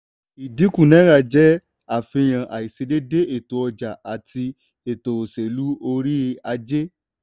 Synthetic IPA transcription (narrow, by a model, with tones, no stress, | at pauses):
i˨di˨˦kũ˦˨nɛ̃˨˦ɾa˦˨d͡ʒɛ˦ | a˦˨fe˧j̃ã˨ʔa˨i˨se˧˦de˦de˦ʔe˦˨to˨ɔ˧d͡ʒa˨a˨ti˧ | e˨to˨o˨se˨lu˨˦o˧ɾi˦a˧d͡ʒe˦